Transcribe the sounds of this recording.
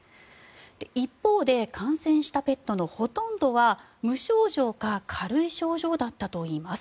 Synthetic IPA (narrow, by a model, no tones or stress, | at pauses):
d̪̥e̞ipːo̞ːd̪e̞kʰãɰ̃sẽ̞ɰ̃ɕi̥t̪ape̞t̪ːo̞no̞ho̞t̪õ̞nd̪o̞βa | mɯ̟ɕo̞ːʑo̞ːkakʰaɾɯ̟iɕo̞ːʑo̞ːd̪at̪ːat̪o̞iːmasɨ̥